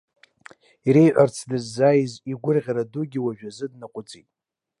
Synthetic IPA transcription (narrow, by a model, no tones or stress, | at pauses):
iɾejʕʷart͡sʰdɨzːajiziɡʷʊrʁʲaɾaduɡʲiwaʒᶣazɨdnakʷʼʊt͡sʼitʼ